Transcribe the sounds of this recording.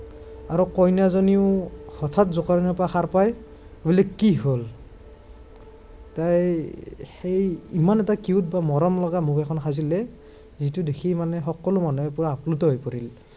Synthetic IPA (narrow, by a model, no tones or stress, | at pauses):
aɹɔkɔjnazɔniʊhɔtʰatzɔkaɹinɔpɹaxaɹpaj | obilɛkkːiɦol | taj | hejimanɛtakiut̚bamɔɹɔmlɔɡamukɛkʰɔnxʰazilɛ | zitudekʰimanɛxɔkɔlʊmanɔɛpuɹaːplutɔɦojpɔɹil